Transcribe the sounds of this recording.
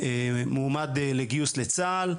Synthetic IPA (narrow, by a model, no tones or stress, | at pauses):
emuːmad̪leɡjuslet͡sal